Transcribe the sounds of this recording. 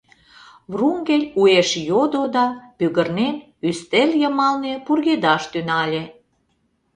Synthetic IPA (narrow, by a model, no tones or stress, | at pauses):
βruŋɡelʲueʃjod̪od̪ɑpyɣərnen | yst̪elʲjəmɑlnepurɣed̪ɑʃt̪ynɑlʲe